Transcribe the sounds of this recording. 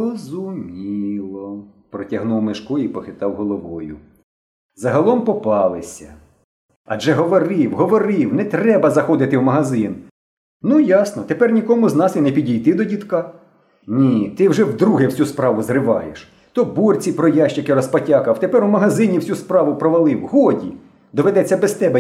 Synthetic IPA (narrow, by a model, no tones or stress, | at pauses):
ɔzʊmʲilˠɔ | pɾɔtʲɐɦnuwmeʃkɔipɔxɪt̪ɑwɦɔlˠɔʋɔjʊ̰ | zɐɦɐlˠɔmpɔpɑlˠɪsʲɐ̰ | ɐʒɛɦɔʋɔɾɪwɦɔʋɔɾɪwnɛt̪ɾɛbɐzɐxɔd̪ɪt̪ɪwmɐɦɐzɪn | nujɑsnɔt̪epɛrnʲikɔmʊznɑsinɛpʲidʲijt̪ɪd̪ɔdʲit̪kɑ | nʲit̪ɪwʒɛwd̪ɾuɦɛwsʲuspɾɑʋʊzrɪʋɑjḛʃ | t̪ɔbɔrʲt͡sʲipɾɔjɑʃt͡ʃɪkɪɾɔspɐtʲɑkɐwt̪epɛɾwmɐɦɐzɪnʲiwsʲuspɾɑʋʊpɾɔʋɐlˠɪwɦɔdʲi | d̪ɔʋed̪ɛt͡sʲːɐbɛst̪ɛbɛ